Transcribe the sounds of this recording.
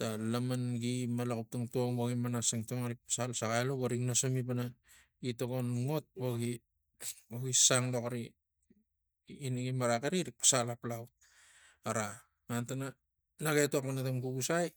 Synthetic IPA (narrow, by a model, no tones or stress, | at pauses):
talamanɡimalakup̚taŋtoŋboɡimanasaŋtoŋaɾik̚pḁsalsaɡajloβaɾiknasomipana | itoɡonŋo̞t̚boɡi | oɡisaŋlo̞kaɾi | niɡimaɾakeɾiɾik̚pḁsalaplawt̚ | aɾa | mantana | naɡetoakmanatamɡuɡusaj